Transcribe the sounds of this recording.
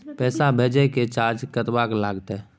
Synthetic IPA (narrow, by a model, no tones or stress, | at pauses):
pɛːsabʱeːd͡ʒəket͡ʃaːɾd͡ʒkət̪waklaːɡt̪ː